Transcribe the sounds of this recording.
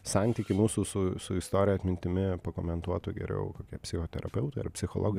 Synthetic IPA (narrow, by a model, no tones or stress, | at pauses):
sɑnʲt̪ʲiːkʲɪmuːsuːsʊsʊɪst̪oːɾʲɪjɛɐt̪ʲmʲɪnʲt̪ʲɪmʲɪpɐkoːmʲɛnt̪uɔt̪ʊɡʲɛ̰ɾʲɛ̰ʊkoːkʲiɛpʲsʲɪxoːt̪ʲɛɾʔɐpʲɛʊt̪ɐɪɐ̰ɾpʲsʲɪxoːlˠoːɡʲɪ